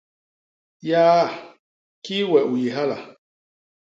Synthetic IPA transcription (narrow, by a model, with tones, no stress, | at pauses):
jaː˦ | ki˦wɛ˨ʔu˨je˨ɦa˦la̰˨